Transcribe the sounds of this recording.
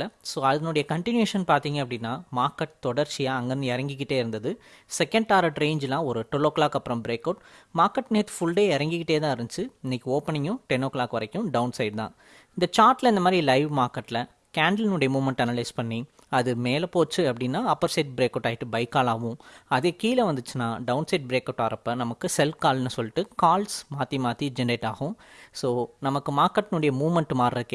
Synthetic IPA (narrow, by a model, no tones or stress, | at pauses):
ɐsoːɐðɐnoɽɐjɐkɐɳʈɪnjeːʂɐnpaːɾt̪iːŋɡɐpːɐɽɪnːaːmaːɾkɐʈ̚t̪ɔɽɐɾt͡ʃːɪjaːɐŋɡɐnd̪ɯɛɾɐŋɡɪk̬ːɪʈːeːɪɾɯnd̪ɐðɯ | sɛkːɐ̃ɳɖaːɾɐʈɾeːɲd͡ʒlãːɔɾɯʈʊloːklaːkɐpːɯɾɐmbɪɾeːkɐʊʈmaːɾkɐʈːneːt̪fʊɭɖeːɛɾɐŋɡɪkːɪʈːeːt̪ãːɪɾɯɲt͡ʃːɯɪnːɛkʲːioːpɐɳɪŋʊ̃ʈɛnoːkɭaːkʋɐɾɐkːʊ̃ɖɐʊnsɐɪɖt̪ã̰ː | ɪnd̪ɐt͡ʃaːɾʈlɐɪnd̪ɐmaːd̪ɾilɐɪʋmaːɾkɐʈːlɐ | kaːɳɖɐlnʊɽɐjɐmuːʋmɐɳʈɐnɐlɐɪspɐɳːi | ɐðɯmeːlɐpoːt͡ʃːɯɐpːɐɽɪnːaːɐpːɐɾsɐɪʈ̚bɾeːkːɐːʈːaːjɪʈːɯbɐɪkːaːlaːʋʊ̃ɐðeːkiːlɐʋɐnd̪ɯt͡ʃːɯnaːɖɐʊnsɐɪʈ̚bɾeːkɐʊʈːaːɾɐpːɐnɐmɐkːɯsɛlkaːlnɯsɔlːɪʈːɯkaːlsmaːt̪imaːt̪id͡ʒɛɳɖeːʈa̰ːɣʊ̃soːnɐmɐkːɯmaːɾkɐʈːnʊɽɐjɐmuːʋmɐɳʈmaːɾɐɯkː